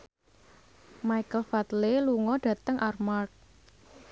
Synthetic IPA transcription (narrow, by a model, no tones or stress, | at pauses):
majkəlfat̪leluŋɔɖ̥ä̤t̪əŋʔarmark̚